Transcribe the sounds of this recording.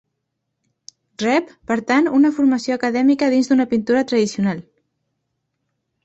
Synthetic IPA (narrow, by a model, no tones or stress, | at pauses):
rɛpːəɾt̪anunəfuɾməsioəkəðɛmikəðinzd̪unəpint̪uɾət̪ɾəðisiunalˠ